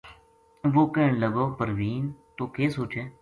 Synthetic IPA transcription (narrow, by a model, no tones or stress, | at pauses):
ʋoːkẽːɳləɡoːpəɾʋiːnt̪oːkeːsoːt͡ʃeː